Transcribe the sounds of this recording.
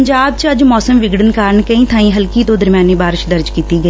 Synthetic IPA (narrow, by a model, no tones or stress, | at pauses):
əɲd͡ʒaːb̚t͡ʃəd͡ʒmɔːsəmʋɪɡɽənkaːɾəɳkəĩːt̪ʰãːĩːɦəlkiːt̪õːd̪əɾmjaːneːbaːɾɪʃd̪əɾd͡ʒkiːt̪iːɡəi